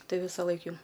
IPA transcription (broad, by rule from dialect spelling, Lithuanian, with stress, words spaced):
ˈtɐɪ ˈʋʲɪsɐˌlˠɐɪk jɛʊ